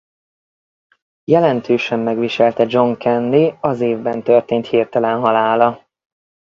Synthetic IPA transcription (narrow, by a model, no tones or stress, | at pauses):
jɛlɛnt̪ʰøːʃɛmːɛɡʋiʃɛlt̪ɛd͡ʒo̞ŋkʰɛnːiɒzeːvbɛnt̪ørt̪eːnt̪hirt̪ɛlɛnɦɒlaːlɒ